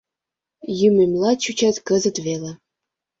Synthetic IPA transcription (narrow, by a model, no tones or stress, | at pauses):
jymemʲlˠɑt͡ɕut͡ɕætʲkə̆zə̆t̪velĕ